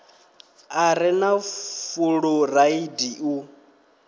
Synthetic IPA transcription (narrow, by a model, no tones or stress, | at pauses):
aɾɪnafuɺuraidiu